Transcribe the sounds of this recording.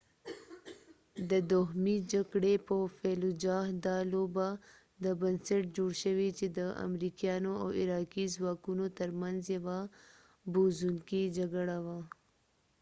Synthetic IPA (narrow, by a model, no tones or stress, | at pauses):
d̪əd̪oɦmid͡ʒaɡɽepəfelud͡ʒɑhd̪ɑloba | d̪əbənsəʈ̚d͡ʒoɽʃəwit͡ʃed̪əa̰mɾikjɑnoa̰wɪɾɑkizwɑkunot̪əɾmanzjawa | buzuŋkid͡ʒaɡɽawa